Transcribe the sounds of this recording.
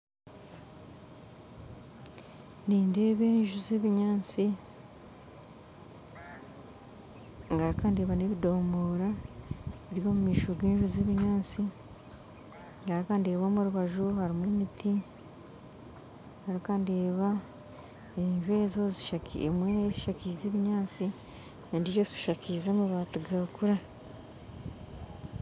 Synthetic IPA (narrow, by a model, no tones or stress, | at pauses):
niːnde̞ːβeːnʒuzeβiɲaːt͡si | ŋɡaɾikande̞ːβaneβido̞ːmbo̞ːɾa | eɾjo̞ːmumiːʃoɡeːɲʒuzeβiɲaːnt͡si | ŋɡaɾikande̞ːβamuɾuβaʒuhaɾimwemiti | ɡŋɡaɾikandeːβa | eɲʒuezo̞zi̥ʃakʰḭemweːnaeiʃacizeːβiɲaːt͡si | nendiɾozi̥ʃakʰizemuβaːtuɡakuɾa